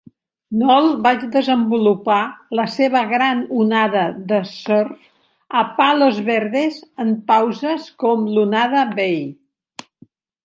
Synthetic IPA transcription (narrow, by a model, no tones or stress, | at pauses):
nɔlˠbad͡ʒd̪əzəmbulupaləseβəɣɾanunaðəðəsɔr | əpalozβeɾðezəmpawzəskɔmlunaðəβej